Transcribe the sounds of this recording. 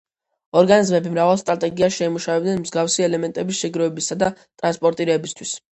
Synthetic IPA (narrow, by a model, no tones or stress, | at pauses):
ɔɾɡanizmɛbimɾavalˠst̪ʼɾat̪ʼɛɡiaʃɛimuʃavɛbd̪nɛnmzɡafsiɛlɛmɛnt̪ʼɛbisʃɛɡɾɔɛbisad̪at̪ʼɾanspʼɔɾt̪ʼiɾɛːbist̪ʰwis